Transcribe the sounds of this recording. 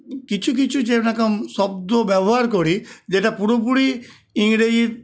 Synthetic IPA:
kit͡ʃʰuk̬it͡ʃʰud͡ʒenakamsɔb̚d̪objabɔɦaɾkɔɽid͡ʒeʈapuɾop̬uɽi | ĩɽe

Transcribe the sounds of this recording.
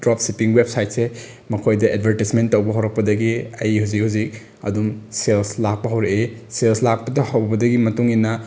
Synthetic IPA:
dɾɔp̚ʰsipiŋwep̚sajt̚se | mɐkʰojdɐed̚bʱɐɾtismentːɐwbɐɦawɾɐk̚pɐdɐɡiɐjhuzikhuzik̚ | ɐ̰dumselslak̚pɐɦɐwɾeeselslak̚pɐdɐhɐwbɐdɐɡimɐtuŋinɐ

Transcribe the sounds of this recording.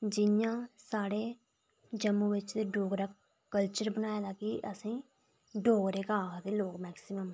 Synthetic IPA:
d͡ʒɪjãːsaːɽeː | d͡ʒəmːuːʋɪt͡ʃd̪eːɖoːɡɾaː | kəlt͡ʃəɾbənaːjaːd̪aːkɪʔəsĩː | ɖoːɡɾeːkaːkd̪eːloːkmɛːksɪməm

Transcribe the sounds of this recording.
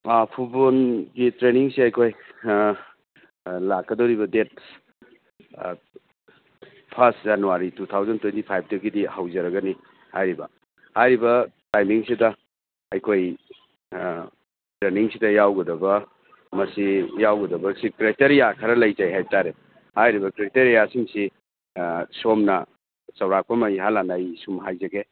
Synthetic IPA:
pʰut̚bolɡitɾeniŋsiɐjkʰoj | lakːɐdɐwɾibɐdet̚ | pʰɐstzanuaɾitut̪ʰawzɐntwentipʰajp̚ʰtekidihawzɐɾɐɡɐni | hajɾibɐ̰ | hajɾibɐtajmiŋsidɐ | ɐjkʰoj | tɾeniŋsidɐjawɡɐdɐbɐ | mɐsijawɡɐdɐbɐsikɾeteɾijakʰɐɾɐlɐjzajɦajtaɾe | hajɾibɐkɾiteɾijasiŋsi | somnɐ | t͡ʃɐwɾak̚pɐmɐjɦalanajsumɦajzɐɡe

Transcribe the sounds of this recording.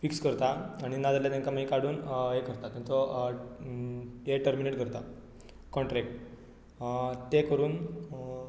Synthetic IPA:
fikskəɾt̪aːɽ̃inad͡zaljat̪ẽŋkamaikaɽuːnɦekəɾt̪at̪ːẽt͡sɔ | eʈəɾmineʈɡʱəɾt̪a | kɔɳʈɾɛk̚ʈ | t̪ekəɾuːn

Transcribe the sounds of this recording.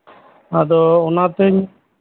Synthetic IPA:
ad̪ɔɔnat̪ɛɲ

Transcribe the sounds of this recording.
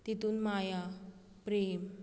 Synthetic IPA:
t̪it̪uːnmaja | pɾeːm

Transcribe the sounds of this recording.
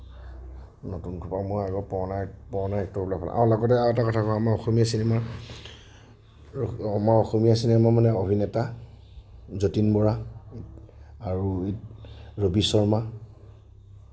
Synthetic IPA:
notunkʰupamɔaɡɔpɔɔnapɔɹɔnaɛk̚tɔblapʰa̰lã̰ʔa̰ʊlaɡɔtɛaɛtakɔtʰakɔamaɹɔxomijasinɛma | amaɹɔxomijasinɛmamanɛobʱinɛta | zotinbɔɹaitaɹuitɹobisɔɹma

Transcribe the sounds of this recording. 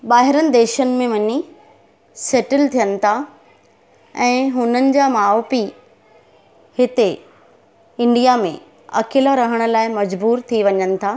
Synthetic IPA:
ɓaːɦɪɾənɪ̆d̪eːʃənɪ̆mẽʋɐɲi | seːʈɪlt̪ʰijənɪ̆t̪ʰa | ɛ̃ːɦʊnənɪ̆d͡ʑaːmaːopi | hɪt̪e | ɪ̃ɳɖijamḛ̃ | ɐ̰kʰɪlaɾɐɦəɽ̃ə̆laːɪmɐd͡ʑbuːɾt̪ʰiʋɐɲənɪ̆t̪ʰaː

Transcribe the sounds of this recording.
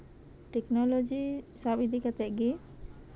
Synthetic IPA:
t̪ɛknɔlod͡ʒisabid̪ʱikat̪ɛʔɡi

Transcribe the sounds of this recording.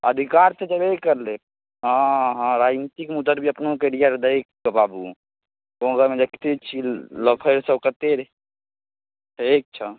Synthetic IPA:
əd̪ʱikaɾt̪ed͡ʒəbekəɾle | ɦãɦãɾad͡ʒnit̪ikmud̪əɾbʱiəpnokeɽijaɾd̪əjkːəbabu | kõɡəmẽd͡ʒeki̥t̪et͡ʃʰiləpʰəɾsəbkət̪eɾ | ek̚t͡ʃʰə

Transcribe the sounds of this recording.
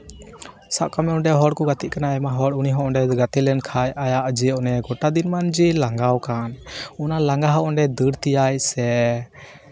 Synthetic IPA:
saʔkamɛɔɳɖɛɦɔɽkɔɡat̪iʔ̚kanaɛmaɦɔɽuniɦɔ̃ʔɔɳɖɛɡat̪ilɛnkʰajajaʔd͡ʒiʔnɛɡɔʈad̪inmand͡ʒilaŋɡawkanunalaŋɡaɦɔʔɔɳɖɛd̪əɽt̪ijajsɛ

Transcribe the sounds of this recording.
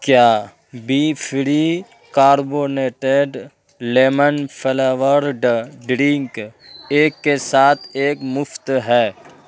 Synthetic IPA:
kjaː | biːfʰɪɾi | kaːɾboːneːʈeɖ | leːmənpʰeleʋəɾɖɖɾɪ̃ŋkeːkːesaːt̪ʰeːkmʊft̪ɦɛː

